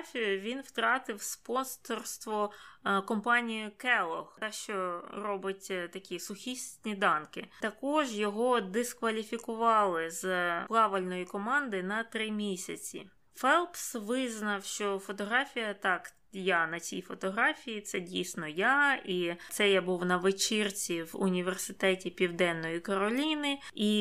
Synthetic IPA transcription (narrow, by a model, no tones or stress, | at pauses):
fʲijʊʋʲinwt̪ɾɑt̪ɪwspɔnsɔrst̪ʋɔkɔmpɑnʲijʊkɛlˠɔxt̪ɛʃt͡ʃɔrɔbɪtʲt̪ɐkʲisʊxʲisʲtʲnʲid̪ɑnkɪt̪ɐkɔʒjɔɦɔd̪ɪskʋɐlʲifʲikʊʋɑlˠɪzplˠɑʋɪlʲnɔjikɔmɑnd̪ɪnɐt̪ɾɪmʲisʲɐt͡sʲḭ | fɛlˠpsʋɪznɐwʃt͡ʃɔfɔt̪ɔɦɾɑfʲijɐt̪ɑk | janɐt͡sʲḭjfɔt̪ɔɦɾɑfʲijit̪sɛdʲijsnɔjait̪sɛjabuwnɐʋɪt͡ʃirt͡sʲiwʊ̰nʲiʋersɪt̪ɛtʲipʲiwd̪ɛnːɔjikɐɾɔlʲinɪi